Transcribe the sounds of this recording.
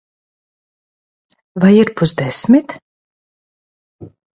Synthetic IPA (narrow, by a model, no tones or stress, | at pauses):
vajiɾpuzd̪ɛsmʲit̪